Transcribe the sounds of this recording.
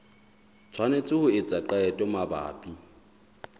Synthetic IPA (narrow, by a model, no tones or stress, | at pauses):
t͡sʰwanet͡sʼɪhʊɪt͡sʼaǃaɛtʼɔmaba̰ːpʼi